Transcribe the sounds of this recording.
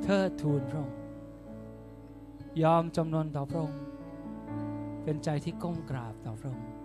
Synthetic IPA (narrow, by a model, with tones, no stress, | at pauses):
t̪ʰɤː˥˩t̪ʰːuː˧npʰɾo˧˩ŋ | jɔː˧mt͡ɕa˧mnu˧ənt̪ɔː˨˩pʰɾo˧ŋ | pe˧nt͡ɕa˧jt̪ʰiː˥˩ko˥˩mkɾaː˨˩p̚t̪ɔː˨˩pʰɾŋ